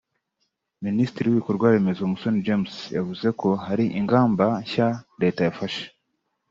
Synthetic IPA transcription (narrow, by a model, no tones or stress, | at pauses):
minisitiɾiwiβikoɾɡwaːɾe̞me̞zomuso̞nid͡ʒemsjavuze̞ko̞ɦaɾiʔiŋɡaːmbaɲçaɾe̞ːtajafaʃe̥